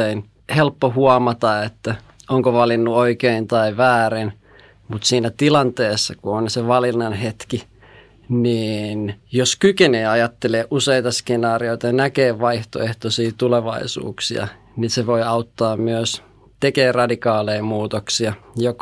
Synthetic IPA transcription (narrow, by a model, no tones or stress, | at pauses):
ein | helpːohuɑmɑt̪ɑet̪ːæ | oŋkoʋɑlinːuoikeint̪ɑiʋæːrin | mut̪siːnæt̪ilɑnt̪eːsːɑkuonseʋɑlinːɑnɦet̪ki | niːnjoskykeneːɑjɑt̪ːeleːʔʔuseit̪ɑskenɑːrioit̪ɑjɑnækeːʋɑiht̪o̰eht̪osiːt̪uleʋɑ̰isṵːksiɑ̰ | ninseʋoiɑut̪ːɑːmmyøs | t̪ekeːrɑdikɑːleimuːt̪oksiɑjok